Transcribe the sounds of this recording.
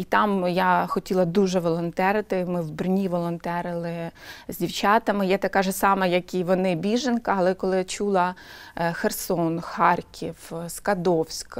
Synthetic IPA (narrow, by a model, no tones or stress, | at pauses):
it̪ɑmjaxɔtʲilˠɐd̪uʒɛʋɔlˠɔnt̪ɛɾɪt̪ɪmɪwbrnʲiʋɔlˠɔnt̪ɛɾɪlˠɪzʲdʲiwt͡ʃɑt̪ɐmɪjɛt̪ɐkɑʒɛsɑmɐjɐkʲiʋɔnɪbʲiʒenkɐɐlˠɛkɔlˠɪjat͡ʃulˠɐ | xersɔnxɑrkʲʰiwskɐd̪ɔwsʲk